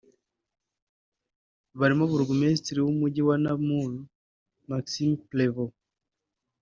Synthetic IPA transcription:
βaɾimoβuɾɡumestɾiwumuɟiwanamulu | maksimplevo

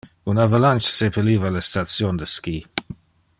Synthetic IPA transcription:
unavalant͡ʃsepʰəliːvaləstat͡sjond̪əskiː

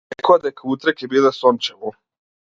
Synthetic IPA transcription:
ekoad̪ajekʰaut̪ɾekebiːlasont͡ʃɛʋu

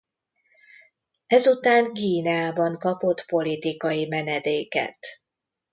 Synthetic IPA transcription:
ɛzut̪aːŋkiːnaːbɒŋkɒpo̞t̪po̞lit̪ikɒjimɛnɛd̪eːkɛ̰t̪

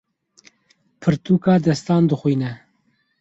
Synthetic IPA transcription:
pʰɨɾt̪uːkɑːd̪ɛst̪ɑːnd̪ɨxwiːnɛ

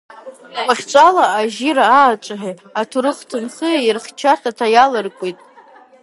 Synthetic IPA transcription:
wʷʼaχʲt͡ʃʷʼalaːʒiɾaaːt͡ʃʷʼaħe | atʰuɾɨχtʰɨmχɨajɪrχt͡ʃʰatʰatʰajalɨrkʷʼitʼ

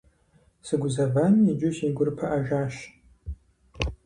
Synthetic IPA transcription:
sɨɡʷʊzɐvanid͡ʒʊʃeːɡʷʊrpʰɐʔɐʒaːʃ

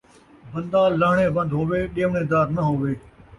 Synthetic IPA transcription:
bə̃nd̪aːlːəɦɳ̃ẽːbɐ̃nd̪ɦoːʋeːɗijəʋnẽːd̪aːɾnəɦoːʋeː

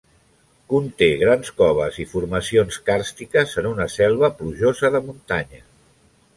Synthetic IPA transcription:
kunt̪eɣ̞ɾanskɔβ̞əzifuɾməsionskaɾst̪ikəzənunəsɛlˠβəpluʒozəðəmunt̪aɲə

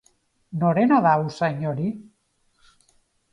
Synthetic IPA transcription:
noɾenaðawsaɲoɾi

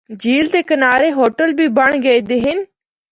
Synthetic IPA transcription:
d͡ʒiːlt̪eːkənaːɾeɦoːʈəlbʱiːbəɳ̃ɡəed̪eːɦɪn

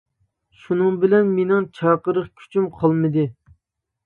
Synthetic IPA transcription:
ʃunɨŋbɪlɛnmenɪŋt͡ʃʰɑːqəɾəχkʲʰy̥t͡ʃʰymqʰɑlˠmɨd̪ɨ

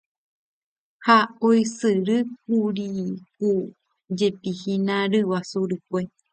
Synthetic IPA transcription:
haoisɨɾɨk̚uɾiku | d͡ʒepihĩnãɾɨwasuɾɨkʷe

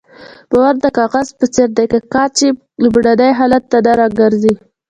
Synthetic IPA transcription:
b̥awaɾd̪əkɑɣazpət͡seɾd̪ajkəkɑɾt͡ʃe | ləbɽad̪ajɦɑlat̪ːad̪aɾɑɡaɾzi

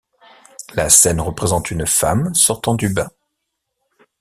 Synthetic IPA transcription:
lasɛnʁəpχezɑ̃t̪ynfamsɔʁt̪ɑ̃d̪ybɛ̃

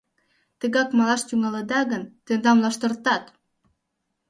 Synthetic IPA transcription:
t̪ə̆ɣɑkmɑlɑʃt̪ʲuŋɑlɤ̆d̪ɑɣə̆nt̪end̪ɑmlɑʃt̪ɤ̆rt̪ɑt̪

